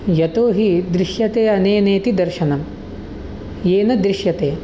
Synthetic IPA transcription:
jɐt̪oːɦid̪ɾiʃjɐt̪eːɐneːneːt̪id̪ɐɾʃɐnɐm | jeːnɐd̪ɾiʃjɐt̪eː

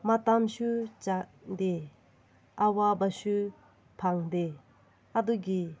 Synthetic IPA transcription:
mat̪amɕuːt͡ɕaʔd̪e | ʔawabaɕu | pʰaŋd̪e | ʔad̪uɡi

